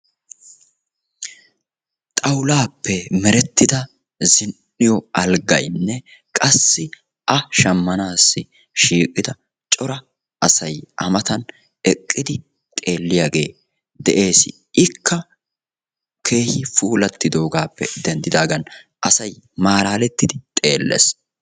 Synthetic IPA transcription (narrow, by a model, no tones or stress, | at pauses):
t̪ʼɐwlaːpːɛmɛɾɛt̪ːɪd̪ɐ | zɪnnːɪjɔɐlɡɐjnːɛkʼɐsːɪ | ʔɐʃɐmːɐnaːsːɪ | ʃiːkʼɪd̪ɐ | t͡ʃʼɔɾɐ | ʔɐsɐjʔɐmɐt̪ɐn | ɛkʼːɪd̪ɪ | t̪ʼe̞ːlːɪjaɡe̞ː | d̪ɛʔe̞ːsɪ̰ | ɪkːɐ | kʰe̞ːhɪfuːlɐt̪ːɪd̪o̞ːɡaːpːɛ̰d̪̥ɛnd̪ɪd̪aːɡɐnʔɐsɐjmaːlaːlɛt̪ːɪd̪ɪt̪ʼe̞ːlːɛ̰s